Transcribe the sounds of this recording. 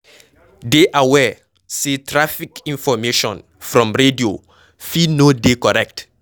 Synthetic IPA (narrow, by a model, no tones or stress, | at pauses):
deʔawɛ | setʰɹafikĩnfɔmeʃɔ̃n | fɹɔ̃mɹedio | finodekɔɹɛk̚t